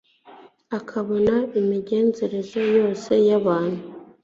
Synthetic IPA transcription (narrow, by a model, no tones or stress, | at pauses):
akʰaβo̞naimiɟe̞ːnze̞ɾe̞zojo̞ːse̞jaβaːn̥hu